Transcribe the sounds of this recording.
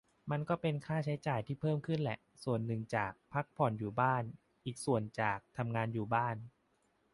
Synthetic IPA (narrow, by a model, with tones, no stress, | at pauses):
ma˧nkɔː˥˩pe˧nkʰaː˥˩t͡ɕʰa˦˥jt͡ɕaː˨˩jt̪ʰiː˥˩pʰɤː˥˩mkʰɯ˥˩nlɛ˨˩ʔ | su˨˩ənːɯ˨˩ŋt͡ɕaː˨˩k̚pʰa˦˥k̚pʰɔ˨˩˦njuː˨˩baː˥˩n | ʔiː˨˩k̚su˨˩ənt͡ɕaː˨˩k̚t̪ʰa˧mŋaː˧njuː˨˩baː˥˩n